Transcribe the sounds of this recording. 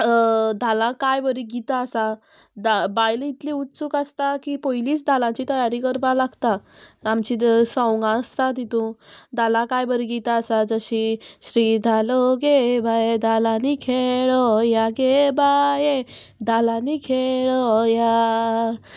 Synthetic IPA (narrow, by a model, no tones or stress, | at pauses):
d̪ʱalãkajbəɾiɡit̪aəsa | d̪abajlit̪liut̪t͡sukast̪akipɔjliːt͡sd̪ʱalãt͡ɕit̪əjaɾikəɾpalaɡt̪aamt͡ɕisəwŋɡãəst̪ad̪it̪ũd̪ʱalãkajbəɾiɡit̪aəsad͡zəɕiɕɾiːd̪ʱaloɡebajed̪ʱalãnikʰeɭɔjaɡebaje | d̪ʱalãnikʰeɭɔja